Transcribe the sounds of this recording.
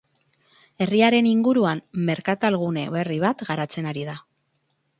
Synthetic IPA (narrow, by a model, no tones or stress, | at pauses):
e̞riaɾe̞niŋɡuɾuamme̞ɾkat̪alɣ̞une̞̰βe̞riβ̞at̪ɡaɾat͡se̞naɾiða